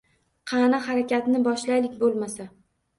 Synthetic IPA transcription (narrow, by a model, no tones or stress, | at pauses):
qʰɑnahaɾakʲat̪nɪbɒʃlajlɪkʲbolˠmasa